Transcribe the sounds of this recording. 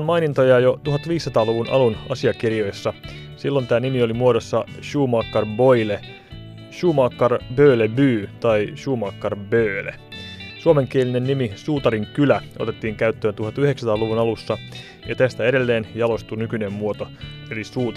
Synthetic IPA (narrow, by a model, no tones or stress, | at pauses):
nmɑinint̪ojɑjot̪uɦɑt̪ʋiːsːɑt̪ɑːluʋunʔɑ̰lunɑsiɑkirjojsːɑ | silːo̞nt̪æːnimio̞limuodosːɑʃuːmɑkːɑrbo̞jle | ʃuːmɑkːɑrbøːlebyːt̪ɑiʃuːmɑkːɑrbøːlḛsuome̞ŋk̟ieline̞nːimisuːt̪ɑɾiŋkylæʔot̪e̞t̪ːiːŋkæyt̪ːøːnt̪uɦɑt̪yheksɑt̪ɑːluʋunɑlusːɑ | jɑt̪æst̪æeɾe̞lːe̞ːnjɑlo̞st̪unykynemːuo̞t̪o̞elisuːt̪